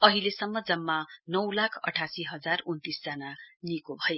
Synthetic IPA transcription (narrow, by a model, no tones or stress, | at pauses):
ʌɦilesʌmːʌd͡zʌmːanʌwlakʰʌ̰ʈʰasiɦʌd͡zarunt̪isd͡zananikobʱʌje